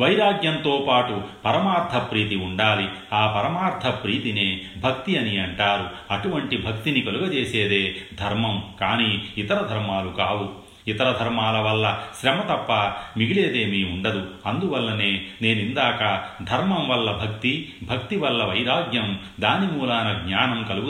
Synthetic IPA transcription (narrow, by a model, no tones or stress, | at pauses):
ʋɐjɾaːɡjɐnt̪oːpaːʈupɐɾɐmaːɾt̪ʰɐpɾiːt̪iuɳɖaːli | aːpɐɾɐmaːɾt̪ʰɐpɾiːt̪ineːbʱɐk̚t̪iɐniɐɳʈaːɾuɐʈuʋɐɳʈibʱɐk̚t̪inikɐluɡɐt͡ʃeːseːd̪e̞ːd̪ʱɐɾmɐmkaːniːt̪ɐɾɐd̪ʱɐɾmaːlukaːwu | it̪ɐɾɐd̪ʱɐɾmaːlɐʋɐlːɐʃɾɛmɐt̪ɐpːɐmiɡile̞ːd̪eːmiːuɳɖɐd̪uɐnd̪uʋɐlːɐneːne̞ːnind̪aːkɐd̪ʱɐɾmɐmʋɐlːɐbʱɐk̚t̪ibʱɐk̚t̪iʋɐlːɐʋɐjɾaːɡjɐm | d̪aːnimuːlaːnɐɡɲaːnɐmkɐluɡu